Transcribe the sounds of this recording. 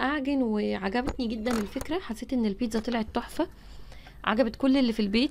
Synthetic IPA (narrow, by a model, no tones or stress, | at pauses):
ʔaʕɡenweʕaɡæbt̪niɡed̪ːænelfekɾæħasːeːt̪ʔenːelpeːt̪zˤɑt̪ˤelʕet̪ˤːoħfæ | ʕa̰ɡæbet̪̚kolːelːifilbeːt̪